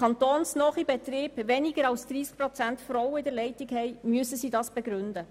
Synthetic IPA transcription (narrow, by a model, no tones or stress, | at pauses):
ɑnt̪oːnsnɔχibɛt̪riːb̥ʋɛniɡəɾɑlsd̪̥ɾiːsk̚pɾɔt͡sæntfrɔwəɪdɛlɛɪtɪkhɛɪmyəsəsiːdɑsb̥ɛɡɾʏndə